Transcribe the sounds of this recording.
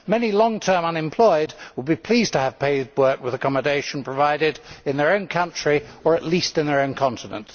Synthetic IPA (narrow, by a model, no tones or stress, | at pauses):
mɛnilɔ̃ŋtʰɜ̃˞mʌ̃nɨ̃mpʰl̥ɔɪd̚wəd̚bipʰl̥iztʰəːv̥pʰeɪwɜ˞kwɨðəkʰɑmədeɪʃn̩pʰɹ̥əvaɪɾɪɾɨ̃nðə˞õʊ̃nkʰʌ̃nt͡ʃɹ̥iə˞ɨʔˡlistɨ̃nðə˞õʊ̃nkʰɑ̃ntɨnə̰̃nt